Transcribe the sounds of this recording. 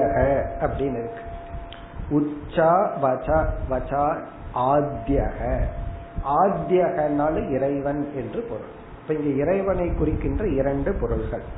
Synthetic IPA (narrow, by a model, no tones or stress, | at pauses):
aɣɐɐpːɐɽɪnɪɾɯkːɯ̥ | ʊt͡ʃːaːʋɐt͡ʃaːʋɐt͡ʃaːɾ | ʔaːd̪jaːɣɐ | ʔaːd̪jaɣɐnːaːlɯɪɾɐɪʋɐnɛndrɯpɔɾɯ̰ɭ | ɪpːɐɪŋɡɐɪɾɐɪʋɐnɐɪkːʊrɪkːɪndrɐɪɾɐɳɖɯpɔɾɯɭɣɐɭ